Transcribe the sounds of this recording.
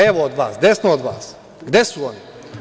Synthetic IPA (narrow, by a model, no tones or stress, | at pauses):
eʋoːd̪ʋa̰ːsɡd̪esnood̪ʋa̰ːs | ɡd̪esuoni